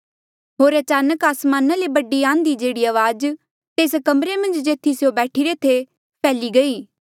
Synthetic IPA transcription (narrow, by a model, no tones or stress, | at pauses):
ɦoːɾɐt͡ʃaːnəkaːsmaːnalebɐɖiãːnd̪id͡ʒeːɽiɐʋaːd͡ʒ | t̪eːskɐmɾemɐ̃nd͡ʒd͡ʒeːt̪ʰisjobɛːʈʰiɾet̪ʰe | pʰɛːliɡɐiː